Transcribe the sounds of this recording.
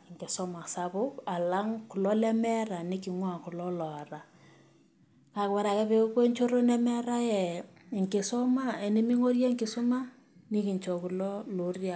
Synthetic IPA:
ŋkɪ˨sɔ˦ma˨sa˨bʊ˦pa˨la˦ŋku˨lɔ˦lɛ˦mɛ˦ɾa˨ni˦ki˨ŋwa˨ku˨lɔ˦lɔ˨ra˨ | ka˨kwa˦ɾa˨kɛ˦pe˦kwe˦ɲt͡ʃo˦ɾo˦nɛ˦mɛ˦ɾa˦jɛ˨ | ŋkɪ˨sɔ˦ma˦e˨ni˦mi˦ŋo˦rjɛ˦ŋkɪ˨sʊ˦ma˦ | ni˦kɪ˨ɲt͡ʃɔ˨ku˨lɔ˦lo˨rja˦

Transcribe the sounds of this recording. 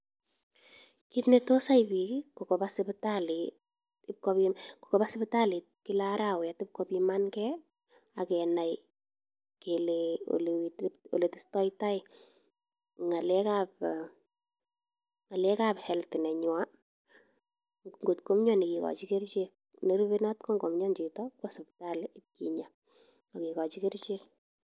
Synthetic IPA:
kitneto˦sa˦jbikko˨kɔ˨basɪ˦btali | ɪ˦p̚kɔ˦pimko̥˨kɔ˨ba˦sɪbta˦li˨t̚ki˦laɾawɛ˨tɪ˦p̚kɔpimankɛ | a˨kɛna˨j | ke˨leo̰lewito̰˨le˨tɪ˦stɔ˦jta˦j | ŋa˨lɛ˦kap̚ | ŋa˨lɛ˦ka˦phɛ˨ltɪ˨nɛ˨ɲʊwa | ŋɡo˨tko˦mɲɔ˦ni˨ki˨kɔ̰˨t͡ʃi˦ke˦ɾt͡ʃek̚ | ne˦ɾube˦nɔ˦tkɔ˦ŋɡo˨mɲɔ˦nt͡ʃi˨tɔkpasʊpta˦lɪt̚kḭɲa | ɔ˨ki˨kɔ˨t͡ʃi˦ke˦ɾt͡ʃe˦k

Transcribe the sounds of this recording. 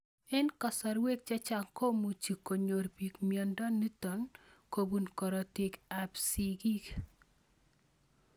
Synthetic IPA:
ɛ˦nkɔ˨sɔ˨ɾwe˦k̚t͡ʃa˦t͡ʃa˦ŋko˦mu˨t͡ʃi˨ko˨ɲo˨rpi˨kmjɔ˨ndɔ˦nːi˦tɔ˨nko˨bu˨nkɔ˨ɾɔ˨tɪ˨ka˨psi˦ɡi˦k

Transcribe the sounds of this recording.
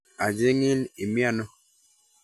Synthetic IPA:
a˨d͡ʒe˦ŋɪ˦ni˨mja˦nɔ˦

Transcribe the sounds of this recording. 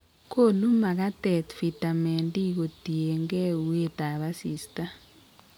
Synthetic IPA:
ko˦˨lu˦ma˨ka˦tɛ˨t̪fi˨ta˨me˨ndi˦ko˨d̥i˨ɛ˨ŋɡɛ˦u˦e˦ta˨βa˦siː˨sta˦

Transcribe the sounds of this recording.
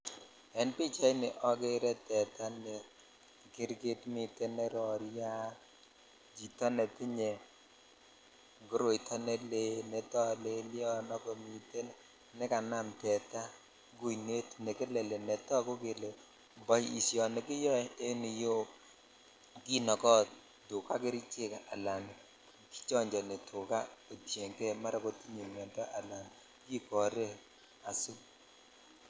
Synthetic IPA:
ɛ˨˦npɪ˦t͡ʃa˦i˦nɪ˨ʔɔ˦ke˦ɾɛ˦tɛ˨ta˦nɪ˨ | kɪ˦ɾɡɪ˦tmɪ˨te˦ne˦ɾɔ˨ɾja˦ | d͡ʒi˨tɔ˦nɛ˨tɪ˦ɲe˨ | ŋɡo˦ɾo˨i˨tɔ˦ne˦le˦nɛ˨tɔ˦le˦ljɔ˦nɔ˦ko˨mi˨te˦n | nɪ˦ka˨na˦mtɛ˨ta˦ | ɡu˦ne˦tne˨ke˦le˨le˨nɛ˨tɔ˦ko˦kɪ˨le˨ | bɔ˨ji˨sjɔ˨ne˨kɪ˦jɔ˦˨e˦nɪ˨jo˦ | ki˦nɔ˨kɔ˦ | dʊ˨ka˦kɪ˦ɾi˦t͡ʃe˦˨ka˨a˨la˨n | ki̥˦t͡ʃɔ˦ɲd͡ʒɔ˨ne˨tʰʊ˨ka˦o˨tje˨ŋke˦ma˦ɾa˨ko˦ti˦ɲe˨mɛ˨ntɔ˦ʔa˨la˨n | ki˦kɔ˨ɾe˦ | a˨su˦

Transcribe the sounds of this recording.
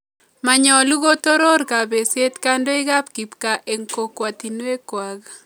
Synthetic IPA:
ma˨ɲɔ˨lu˦ɣo˦t̪o˦ɾo˦ɾka˨be˨se˦t̪ka˦ndo˦ɪ˦ɡa˦pki˨pka˨ʔe˨ŋko˨kwa˨t̪i˨nwe˦kwa˨ɡ

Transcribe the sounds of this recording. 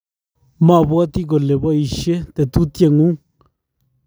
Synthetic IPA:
mã˦˨βwa˦t̪i˦ɣo˨le˨βa˦i˨ʃe˦t̪e˨t̪u˦t̪je˦˨ŋũ˦

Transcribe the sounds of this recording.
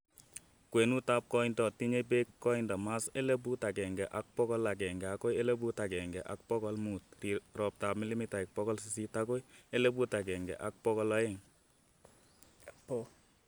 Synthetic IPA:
kwe˨nu˦ta˦p̚kɔ˦ɪndɔ˨ti˦ɲe˦˧p̬e˦kːɔ˦ɪndɔ˨ma˦se˦le˦p̬u˦ta˨kɛ˨ŋɡɛ˨ʔa˨k̚pɔ˦kɔ˦la˨k̬ɛ˨ŋɡɛ˨a˨ko˦je˦le˦p̬u˦ta˨kɛ˨ŋɡɛ˨ʔa̰˨k̚pɔ˦kɔ˦lmu˨tːi˨ɾɔ˨p̚ta˨p̚mi˦li˦mi˦ta˨ɪ˨k̚pɔ˦kɔ˦lsisi˦ta˦ko˦je˦le˦pu˦ta˨k̬ɛ˨ŋɡɛ̰˨ʔa˨k̚pɔ˦kɔ˦lɔ˦ɪ˦ŋ | po˨

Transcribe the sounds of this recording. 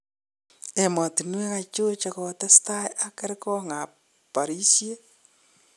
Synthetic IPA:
e˨mɔ˨ti˨nwe˦ka˦t͡ʃo˦t͡ʃakɔtɛ˦staja˨kɛ˦ɾkɔ˦ŋa˨ | pa˨ɾi˦sje˦

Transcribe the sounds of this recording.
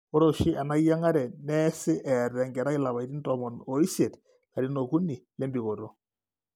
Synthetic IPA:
o˦ɾo˨ʃi˦ʔa˨na˦ja˦ŋa˦ɾɛ˨nɛ˦sɪ˦ʔɛ˨rɛ˨ŋɡɛ˨ɾa˦ɪ˦la˨βa˨jti˦ntɔ˨mɔ˨no˨i˦ʃe˨t | ka˨ɾi˦no˨ku˦ni˨le˦mbi˨ko˨ɾo˦

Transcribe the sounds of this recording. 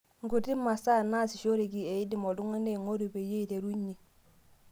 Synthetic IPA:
ŋɡu˨ti˦mːa˨sa˦na˦si˨ʃo˦ɾi˨ki˨e˨i˦di˨mo˨du˦ŋa˦ne˦˨ŋo˦ɾu˨pe˨je˦i˨te˨ɾu˦ɲi˨

